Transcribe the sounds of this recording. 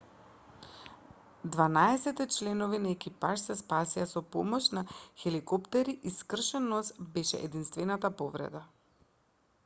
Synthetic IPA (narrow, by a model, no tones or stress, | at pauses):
d̪vanaɛsɛt̪ɛt͡ʃlɛnovinaɛkipaʃsɛspasiasɔpɔmɔʃnaxɛlikɔpt̪ɛɾiʔiskr̩ʃɛnost̪bɛʃɛ̰ʔɛd̪inst̪vɛnat̪apovɾɛ̰d̪a